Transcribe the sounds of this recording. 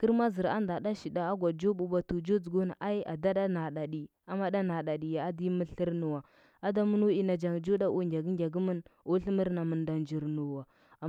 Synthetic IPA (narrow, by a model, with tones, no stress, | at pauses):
kə˦ɾma˦zi˨ɾa̰˦nda˨ɗa˦ʃi˨da˨a˦ɡʷa˨d͡ʒo˦ɓu˨ɓa˨tu˨d͡ʒo˦d͡zu˨ɡo˦na˨ʔa˦i˦a̰˨da˦da˦na˨ɗa˨ɗi˨ | a˦ma˦da˦na˨ɗa˨ɗi˨ja˨a˦di˦mə˦ɬə˦ɾnu˨wa˨ | a˦da˦mu˦nu˦i˦na˨d͡ʒa˨ŋd͡ʒo˦da˦ʔu˦ŋɡʲa˨ɡi˦ŋɡʲa˨ɡi˦mə˦no˦ɬi˦mə˦ɾna˨mə˨nda˨nd͡ʒi˨ɾnu˨wa˨